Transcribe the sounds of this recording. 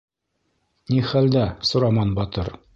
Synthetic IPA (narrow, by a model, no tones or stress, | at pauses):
niχæld̪æsŏɾɑmɑnbɒt̪ɤ̰ɾ